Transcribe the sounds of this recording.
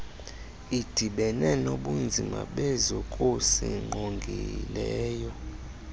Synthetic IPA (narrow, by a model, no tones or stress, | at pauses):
id̥ʱiɓɛnɛnoɓund͡zʱima̰ɓɛzokʼosḭŋ͡ǃʱoŋɡʱilɛːjɔ